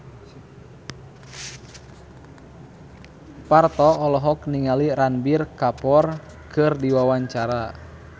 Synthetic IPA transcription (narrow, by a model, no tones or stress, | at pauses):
part̪ɔːlɔɦɔkniŋaliɾanbirkapɔr | kɨrdiwawaɲt͡ʃaɾa